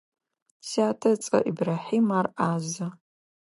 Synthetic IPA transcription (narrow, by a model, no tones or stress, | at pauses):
saːtʰɐt͡sʼɐ̰ʔibraħimarʔaza